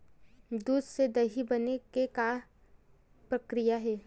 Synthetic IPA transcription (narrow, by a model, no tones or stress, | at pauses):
d̪uːd̪sed̪ɐɦibɐnekeka | pɾɐkɾɪjaɦɛː